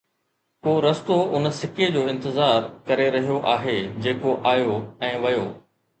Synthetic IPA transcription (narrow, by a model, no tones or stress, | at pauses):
koːɾɐst̪oʔʊnsɪked͡ʑoːɪ̃nt̪ɪzaːɾkɐɾeɾɐɦijoʔaːɦed͡ʑeːkoʔaːjoɛ̃ːʋɐjoː